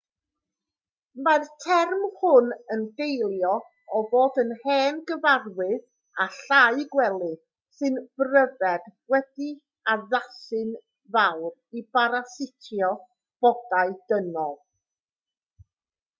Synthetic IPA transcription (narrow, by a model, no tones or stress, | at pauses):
martʰɛrmhʊnənɡejlˠjɔ | ɔvoːdənhɛːnɡəvarwɨð | aɬaɨɡwɛlˠɨ | sɨnb̥rəvɛd̥wɛdi | aðasɨn | vawribaɾasɪtʰjɔ | b̥ɔdaɨd̥ənɔlˠ